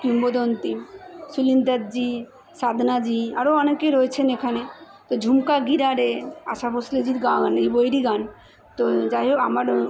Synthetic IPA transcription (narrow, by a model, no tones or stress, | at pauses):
kimbod̪ont̪imsulind̪ad̪d͡ʑi | sad̪ʱnad͡ʑia̰ɾoɔnekeɾoet͡ɕʰenekʰane | t̪od͡ʑʱumkaɡiɾaɾea̰ʃabosled͡ʑiɾɡaɡanejbojɾiɡan | t̪od͡ʑaɦeamaɾ